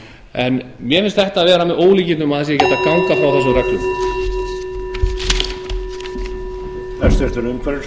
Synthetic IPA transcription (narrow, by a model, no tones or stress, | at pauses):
ɛnmjɛfɪnst̪θɛht̪aːðvɛːɾamɛðoːwliːcɪnnʏmaðɛsjɛcɛt̪akawŋkafɾawθɛs̬ʏmrɛk̪lʏm | θɛst̪ɛɾ̥t̪ʏɾʏmkʰvɛɾɪ